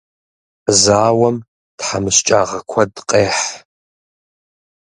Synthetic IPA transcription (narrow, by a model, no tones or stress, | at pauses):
zaːwɐm | tħamɨɕt͡ʃʼaːʁɐkʷʰɐdqʼeːħ